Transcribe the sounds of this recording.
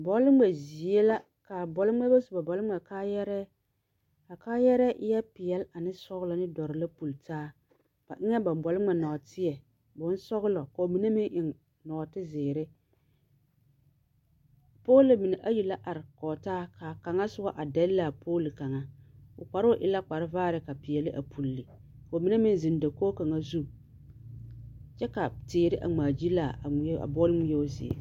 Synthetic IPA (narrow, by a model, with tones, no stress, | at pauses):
bɔ˨˦lɪ˦ŋ͡mɛ˨zi˨e˦la˦ | ka˨bɔ˨lɪ˦ŋ͡mɛ˦ba˦sʊ˨ba˨bɔ˨lɪ˦ŋ͡mɛ˨kaː˦jɛ˦ɾɛ˦ | a˨kaː˦jɛ˦ɾɛ˦ʔɪ˦jɛ˦pɪ˨jɛ˦la˨nɪ˦sɔ˦ɣʊ˦lɔ˨nɪ˦dɔ˨ɾɪ˨la˦pu˨ltaː˦ | b̥a̰˨ʔɪ˦ŋɛ˦ba˨bɔ˨lɪ˦ŋ͡mɛ˨nɔ˨tɪ˦ɛ˨ | bʊ˨˦n˦sɔ˦ɣʊ˦lɔ˨ka˨o˨mi˨ne˦mɪ˦ŋʔɪ˨ŋ | nɔ˨tɪ˦zɪː˨ɾɪ˦ | poː˦lɪ˨mɪ˨nɪ˨ʔa˦ji˨la˦ʔa˨ɾɪ˨kɔ˨taː˦ka˨ka˨ŋa˦sʊ˦ɡɔ˦ʔa˨da˦lla˨poː˦li˨ka˨ŋa˦ʊ˨k͡pa˨ɾo˦ʔɪ˨la˦k͡pa˨ɾɪ˦vaː˦ɾɪ˨ka˨pi˨jɛ˨lɪ˦ʔa̰˨pʰu˨lːi˨ | ko˨mi˦na˦mɪ˦n˦˨zɪ˨n˦da˨koː˦ka˨ŋa˦zu˦ | t͡ʃɛ˦ka˨tɪː˨ɾɪ˦ʔa̰˨ŋ͡maː˨d͡ʒi˦la˨a˨˦a̰˨bɔ˦lŋ˦jɛ˦o˦zɪ̰˨ɛ̰˨